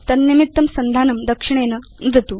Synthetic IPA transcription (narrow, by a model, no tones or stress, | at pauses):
t̪ɐnːimit̪ːɐmsɐnd̪ʱanɐmd̪ɐkʂiɳ̃enənd͡zʱɐt̪u